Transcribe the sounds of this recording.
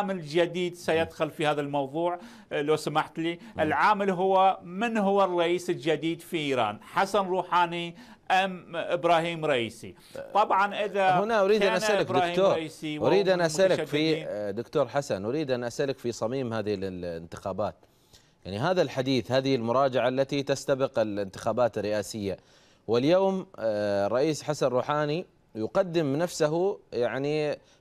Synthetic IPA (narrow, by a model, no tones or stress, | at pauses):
mɪld͡ʒad̪iːd̪sajɪd̪xʊlfihaːðalmɑwðˤuːʕ | loːsamaħt̪liʔɪlʕaːmɪlɦʊwːamɪnɦʊwːarˤːɑʔiːsɪld͡ʒad̪iːd̪fiʔiːɾɑ̰ːnħasanɾˤuːħaːni | ʔamʔɪbɾɑːhiːmɾˤɑʔiːsḭ | t̪ˤɑbʕɑnʔɪðahʊnaʔʊɾiːd̪anʔasʔalkɾaːhiːmoːɾɑʔiːsiwʔʊiːd̪ʔanʔasʔalɪʃafid̪ʊkt̪oːɾˤħasanʔʊɾiːd̪ʔanʔasʔalɪkfisˤɑmiːmhaːðɪhɪlɪlɪ̰nt̪ɪ̥xaːbaːt̪ | jaʕniɦaːðalħad̪iːθhaːðɪhɪlmʊɾˤɑːd͡ʒaʕaʔlːat̪it̪ast̪abɪqɪlɪnt̪ɪxaːbaːt̪ɪrːɪʔaːsɪjːa | wɪljoːmrˤːɑʔiːsħasanrˤuːħaːni | jʊqɑd̪ːɪmnafsaɦujaʕni